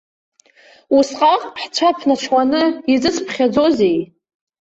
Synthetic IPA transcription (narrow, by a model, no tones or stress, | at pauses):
usqʼaqʼħt͡ʃʷʰapʰnat͡ʃʷʰwanɨid͡zɨspʰχʲad͡zozej